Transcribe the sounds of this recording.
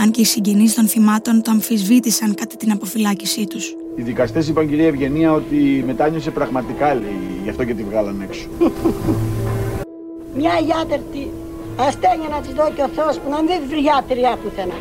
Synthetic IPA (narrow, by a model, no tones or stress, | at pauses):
ɐɲce̞isiɲɟenist̪o̞nθimɐt̪o̞nt̪oɐɱfizvit̪isɐŋkɐt̪et̪inɐpo̞filɐcisit̪us | iðikɐst̪e̞sipɐɲɟiɾiɐevʝe̞niɐo̞t̪ime̞t̪ɐɲose̞pɾɐɣmɐt̪ikɐlḛʝɐft̪o̞cet̪ivɣɐlɐne̞kso̥ | mɲɐiðɐt̪eɾt̪i | ɐst̪eɲɐnɐt̪izðoceoθeospunɐmðivɾʝat̪iɾiɐpuθenɐ